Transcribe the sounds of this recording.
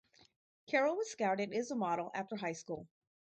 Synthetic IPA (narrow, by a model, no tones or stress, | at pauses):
kʰɛɹl̩ˠwʌz̥skaɹɾɨɾɨzəmɑɾl̩ˠæftə˞ɦaɪskulˠ